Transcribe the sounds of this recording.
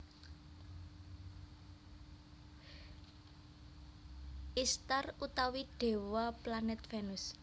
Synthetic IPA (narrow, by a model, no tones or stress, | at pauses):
ʔist̪arut̪awiɖ̥e̤waplanɛt̪fɛnʊs